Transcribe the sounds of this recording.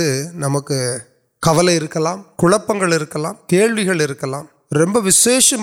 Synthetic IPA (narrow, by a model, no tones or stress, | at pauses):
ɯnɐmɐkːɯ | kɐʋɐlɐɪɾɯkːɐlaːmkʊɻɐpːɐŋɡɐɭɪɾɯkːɐla̰ːmkeːɭʋɪɣɐɭɪɾɯkːɐlãːm | ɾɛmbɐʋɪseːʂɐm